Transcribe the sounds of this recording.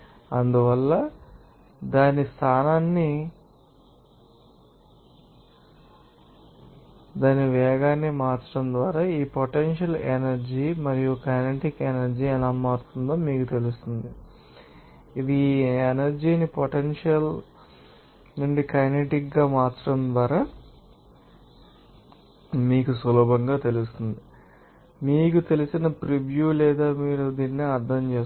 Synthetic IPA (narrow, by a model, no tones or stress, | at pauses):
ɐnd̪uʋɐlːɐ | d̪aːnist̪ʰaːnaːnːi | d̪aːniʋɛːɡaːnːimaːt͡ʃːɐɽɐmd̪ʋaːɾaːiːpoʈenʃɐlenɐɾd͡ʒiːmɐɾijukɐjneʈikenɐɾd͡ʒiɛlaːmaːɾut̪und̪oːmiːkut̪e̞lust̪und̪i | id̪ienɐɾd͡ʒiːnipoʈenʂɐl | nuɳɖikɐjneʈikɡaːmaːt͡ʃːɐ̥ɽɐmd̪ʋaːɾaː | miːkusʋɐlɔːbɐŋɡaːt̪e̞lust̪und̪i | miːk̬ut̪e̞lisinɐpɾiʋjuːlɛːd̪aːmiːɾud̪iːnːiɐɾd̪ʱɐmt͡ʃeːs